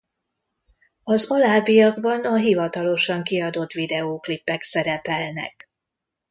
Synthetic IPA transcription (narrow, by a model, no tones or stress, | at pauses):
ɒzolaːbijɒɡbɒnɒɦivɒt̪ɒlo̞ʃɒŋkiɒd̪o̞t̪ʋid̪ɛoːklipːɛksɛɾɛpɛlnɛ̰k